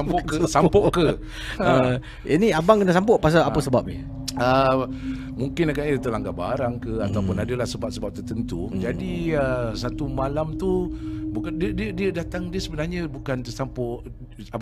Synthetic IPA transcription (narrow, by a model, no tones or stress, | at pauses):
ampɔʔkəsampɔʔkə | ə | iniabaŋkənasampɔʔpas̬aapəsəbap̚nə | ə | muŋkɪnakaʔɲət̪əlaŋɡaba̰ɾaŋkəat̪awpʊnadəlasəbap̚səbap̚t̪ərt̪ənt̪ud͡ʒadiəsat̪umalamt̪ubukadiədiədiədat̪aŋdiəsəbənarɲə̃bukant̪əsampɔʔ | ab